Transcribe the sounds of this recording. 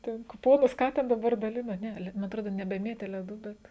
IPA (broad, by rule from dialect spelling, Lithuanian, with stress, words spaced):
ˈtʲɛn kʊˈpoːnʊs ˈkɑː tʲɛn dɐˈbɐr dɐˈlʲɪnoː ˈnʲɛ lʲɛ mɐ ɐtˈroːdoː nʲɛbʲɛˈmʲeːtʲeː lʲɛˈduː ˈbʲɛt